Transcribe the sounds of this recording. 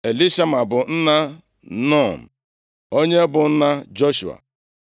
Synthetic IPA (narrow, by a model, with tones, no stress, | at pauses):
e˨li˦ʃa˦ma˨bʊ˨n̩˦na˦ | nɔ˦˨m̩˨ | o˦ɲe˦bʊ˨n̩˦na˦d͡ʒo˦ʃu˨a̰˨